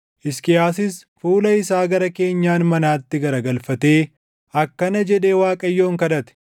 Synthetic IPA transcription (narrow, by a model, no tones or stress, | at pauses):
ʔɪskɪjaːsɪs | fuːlɐɪsaːɡɐɾɐke̞ːɲːaːnmɐnaːt̪ːɪɡɐɾɐɡɐlfɐt̪e̞ː | ʔɐkːɐnɐd͡ʒɛᶑe̞ːwaːkʼɐjːo̞ːŋkɐᶑɐt̪ɛ̥